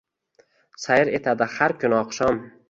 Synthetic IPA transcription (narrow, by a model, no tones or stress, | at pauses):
sajɪɾet̪ʰad̪ɪhaɾkʰʲʊnɒqʃɒm